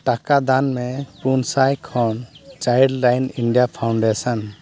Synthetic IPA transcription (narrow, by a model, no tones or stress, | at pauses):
ʈakad̪anmɛpunsajkʰɔnt͡ʃajɖlajniɳɖijapʰawɳɖɛsan